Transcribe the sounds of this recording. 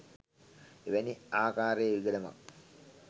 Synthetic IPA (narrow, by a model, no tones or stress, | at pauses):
eʋæniaːkaːɾejʋiɡələma̰k